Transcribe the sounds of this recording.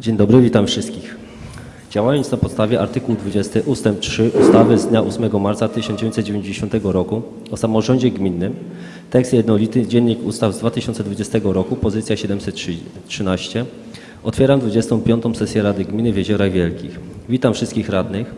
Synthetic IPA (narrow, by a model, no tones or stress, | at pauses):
d͡ʑeɲd̪ɔbɾɘvʲit̪amfʂɘst̪kʲix | d͡ʑawajɔnt̪snapɔt̪st̪avʲjɛʔaɾt̪ɘkuwd̪vud͡ʑɛst̪ɘʔust̪ɛmp̚tʂɘʔust̪avɘzd̪ɲaʔusmɛɡɔmaɾt̪sat̪ɘɕɔnd͡ʑevjẽɲ̃t̪t̪d͡ʑevʲjẽɲd͡ʑeɕɔnt̪ɛɡɔɾɔku | ɔsamɔʐɔɲd͡ʑɛɡmʲinːɘm | t̪ɛkst̪jɛd̪nɔlʲit̪ɘd͡ʑɛɲːikust̪avzd̪vat̪ɘɕɔnt̪sɛd̪vud͡ʑɛst̪ɛɡɔɾɔkupɔzɘt̪sʲjaɕɛd̪ɛmsɛt̪ʂɘnaɕt͡ɕɛ | ɔt̪fʲjɛɾamd̪vud͡ʑɛst̪ɔ̃w̃pʲjɔnt̪ɔ̃w̃sɛsʲjɛɾad̪ɘɡmʲinɘvʲjɛʑɔɾaɣvʲjɛlkʲixvʲit̪amfʂɘst̪kʲixɾad̪nɘx